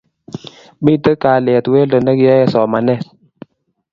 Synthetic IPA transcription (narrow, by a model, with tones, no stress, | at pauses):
ɓi˦tə˦kaː˨lɛ˨twe˦lə˨nə˦kja˦jɛ˦sɔː˨ma˨nɛ˦˨s